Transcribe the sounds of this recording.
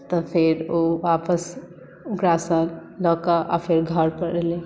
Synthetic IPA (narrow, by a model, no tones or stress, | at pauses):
t̪ɔpʰeɾoʋaːpəs | ʊɡɾasəlɔːkaʔa̰pʰeɾɡʱəɾpəɾele